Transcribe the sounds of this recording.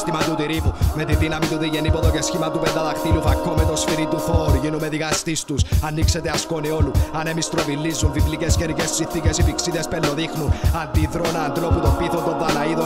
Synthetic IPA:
st̪imɐt̪ut̪iɾipumet̪iðinɐmit̪uðiʝenipoðocesçimɐt̪upend̪ɐðɐxt̪ilufɐkːomet̪o̞sfiɾit̪uθoɾuʝinumeðikɐst̪ist̪usɐnːikset̪eɐskonio̞luɐne̞mist̪ɾo̞vilːizːunvivlicescenicessinθicesipiksiðespelːo̞ðixnunɐnd̪iðɾonɐːnd̪lo̞put̪opiθont̪o̞nðɐnɐiðo

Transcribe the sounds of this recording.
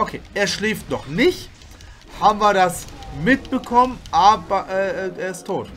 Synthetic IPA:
ʔokʰeːʔeːɐʃlɛːftnɔχnɪçt | haːbm̩viːɐɾdasmɪt̚b̥əkʰɔmənʔaːbɐʔɛːɛːʔeːɐɪstʰːoːt

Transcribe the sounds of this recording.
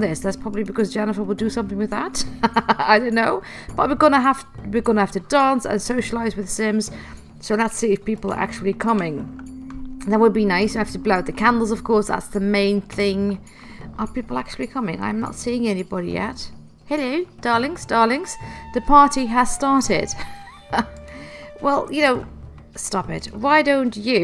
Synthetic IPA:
ðɪsðætspʰɹ̥ɑbəblibɨkʰʌzd͡ʒɛnəfəwəlˠdəsʌ̃mθɪ̃ŋwɨðətaɪdõʊ̃nːoʊ | b̥ʌt̚wɪɡʌnəɦafwɪɡʌ̃nəhaftɨdɑ̃ˑnsə̰̃nsoʊʃəlaɪzwɨð̥sɪ̃mz̥ | soʊlətsiɨfpipl̩ˠə̰˞ʔa̰k̚t͡ʃul̩ˠikʰʌmɪ̃ŋ | ðə̃t̚wəd̚binaɪswɨhaftəblaʊd̪̚ðɨkʰæ̃ndˡl̩ˠzʌv̥kʰɔɹsða̰tsðəmẽɪ̃nθɪ̃ŋ | ʔəpipl̩ˠæk̚t͡ʃʉl̩ˠikʰʌmɪ̰̃ŋã̰ɪ̃mnə̰tsiɪ̃ŋɛnibɑɾḭjɛ̰t̚ | hɛlod̥ɑɹlɪ̃ŋz̥d̥ɑɹlɪ̃ŋz̥ðɨpʰɑɹɾiəz̥stɑɹɾɪ̰d̥ | wɛlˠjɨnoʊ | stɑpɪ̰t̚waɪdõʊ̃nt͡ʃʉ

